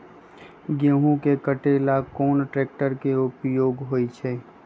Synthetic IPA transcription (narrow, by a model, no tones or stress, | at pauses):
ɡjəɦũkekəʈeːlakoːnʈɾeːk̚ʈəɾkeʊpjoːɡɦoːit͡ʃʰɛː